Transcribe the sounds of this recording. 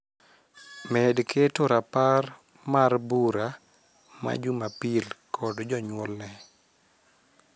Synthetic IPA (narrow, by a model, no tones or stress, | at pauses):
mɛdkʰetoɾapar | marbuɾa | ma̰d͡ʒumapilkʰɔdd͡ʒɔɲwɔlnɛ